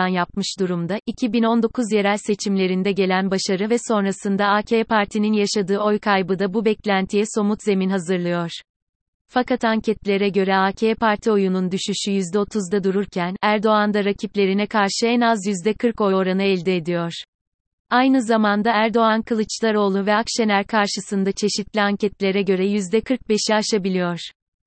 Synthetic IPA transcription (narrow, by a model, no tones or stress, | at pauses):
anjap̚mɯʃd̪uɾumd̪aʔicʰibino̞nd̪o̞kʰuzje̞ɾælʲse̞t͡ʃʰimlʲe̞ɾind̪ɛɟe̞lʲænbaʃaɾɯvɛso̞nɾasɯnd̪aaːcʰepaɾt̪ʰininjaʃad̪ɯːo̞jkʰajbɯd̪abubɛclʲænt̪ʰijɛso̞mut̪ze̞minɦazɯɾlˠɯjoɾ̥ | fakat̪aɲcʰɛt̪lʲe̞ɾɛɟø̞ɾɛaːcʰeɛpʰaɾt̪ʰio̞junund̪yʃyʃyjyzd̪ɛo̞t̪ʰuzd̪ad̪uɾuɾcʰænæɾd̪o̞and̪aɾacʰiplʲe̞ɾinɛkʰaɾʃɯɛnazjyzd̪ɛkʰɯɾko̞oɾanɯɛlʲd̪ɛːd̪ijoɾ̥ | ajnɯzamand̪aæɾd̪o̞ankʰɯlˠɯt͡ʃlˠaɾo̞ːlˠuvɛakʃenʲæɾkʰaɾʃɯsɯnd̪at͡ʃʰe̞ʃit̪lʲiaɲcɛt̪lʲe̞ɾɛɟø̞ɾɛjyzd̪ɛkʰɯɾk̚be̞ʃiaʃabilʲijoɾ̥